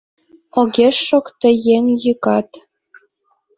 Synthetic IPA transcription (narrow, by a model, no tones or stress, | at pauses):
oɣeʃːokt̪ə̆jeŋjɯkɑt̪